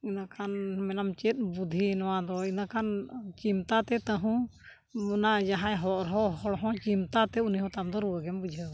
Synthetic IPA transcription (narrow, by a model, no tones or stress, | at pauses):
inakʰanmɛnamt͡ʃɛt̪̚ˀbud̪ʱinɔwad̪ɔinakʰant͡ʃimt̪at̪ɛt̪əɦũ | unad͡ʒaɦãjɦɔʔɾɦɔhɔɽɦɔ̃t͡ʃimt̪at̪ɛuniɦɔ̃t̪amd̪ɔɾuwəɡɛmbud͡ʒʱə